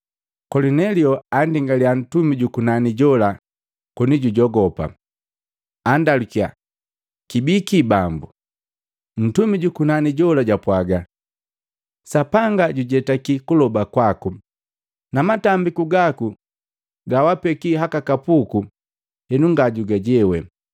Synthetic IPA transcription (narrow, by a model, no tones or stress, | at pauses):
kɔlinɛliɔandiŋɡalian̩tumiɟukunaniɟɔla | kɔniɟuɟɔɡɔpa̰ | andalukia̰ | kibikibambu | n̩tumiɟukunaniɟɔlaɟapwaɡa | sapaŋɡaɟuɟɛtakikulɔbakwaku | namatambikuɡaku | ɡawapɛkiɦakakapuku | hɛnuŋɡaɟuɡaɟɛwɛ